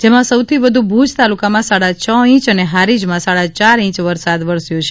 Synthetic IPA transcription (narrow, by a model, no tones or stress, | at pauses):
d͡ʒemãsəwt̪ʰiʋəd̪ʱubʱud͡ʒt̪alukamãsaɽat͡ʃʰəĩt͡ʃəneɦaɾid͡ʒmãsaɭat͡ʃaɾĩt͡ʃʋəɾsad̪ʋəɾsjot͡ʃʰe